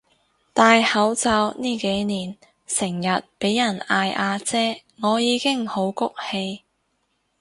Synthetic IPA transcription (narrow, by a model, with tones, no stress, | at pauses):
t̪aː˨˧jhɐ˨˥wt͡sɐ˧wniː˥˩ke˨˥jniː˨˩n | sɪ˨˩ŋjɐ˨t̚pe˨˥jːɐ˨˩naː˧jʔaː˧t͡sɛː˥ŋɔː˨˧jiː˨˧kɪ˥ŋho˨˥wkʊ˥k̚he˧j